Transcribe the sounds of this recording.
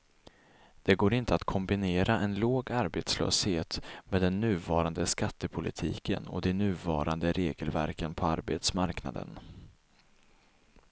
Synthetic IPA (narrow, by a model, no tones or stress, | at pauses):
d̪̥ɛɡoːɾɪnt̪əat̪kʰɔmbɪneːɾaʔɛnloːɡaɾbet̪slœ̰ːsheːt̪meɛːd̪ɛnːʉ̟ːvɑːɾand̪əskat̪ːəpʰʊlɪt̪ʰḭːkə̰nɔ̰d̪ɛnʉ̟ːvɑ̰ːɾand̪əɾʔeːɡəlvæ̰ɾkənpʰɔaɾbet̪smaɾkna̰d̪ə̰n